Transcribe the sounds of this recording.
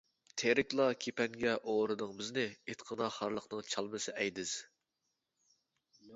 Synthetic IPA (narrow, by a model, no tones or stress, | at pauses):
t̪ʰeɾɪkʲlˠɑkʲʰepɛŋɡʲɛʔoɾɨd̪ɨŋbɪznɪet̪qʰənɑχɑɾlˠəχnɨŋt͡ʃʰɑlˠmɨsɨʔɛjd̪ɪz̥